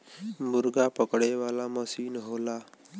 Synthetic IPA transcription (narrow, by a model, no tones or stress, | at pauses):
muɾɡapəkɽeʋalaməsiːnɦola